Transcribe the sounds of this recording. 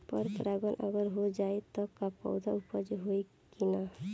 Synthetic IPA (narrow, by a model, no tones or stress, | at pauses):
pəɾpɾaɡənʔə̰ɡəɾɦod͡ʒaːet̪ɔkapɔ̰ʊd̪ʱaupəd͡ʒɦoi | kina